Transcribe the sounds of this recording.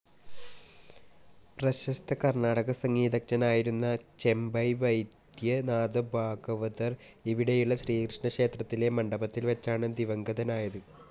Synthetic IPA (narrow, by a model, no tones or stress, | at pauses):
prɐɕɐst̪ʰɐkɐrɳaːɽɐɣɐsɐŋːiːd̪ɐk̚nɐnaːjiɾunːɐt͡ɕe̞mbɐjʋɐjd̪jɐnaːd̪ɐbʱaːɡɐʋɐðɐriʋiɽejuɭːɐɕriːkrɨʂɳɐkʂe̞ːt̪rɐt̪ːile̞mɐɳɖɐbɐt̪ːilʋɐt͡ɕːaːɳɨd̪iʋɐŋɡɐðɐnaːjɐðɨ